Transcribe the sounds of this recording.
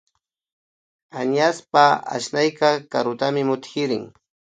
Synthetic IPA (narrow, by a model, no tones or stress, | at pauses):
aɲaspaa̰ʃnajkɑkaɾʊt̪amɪmʊt̪xɪɾɪŋ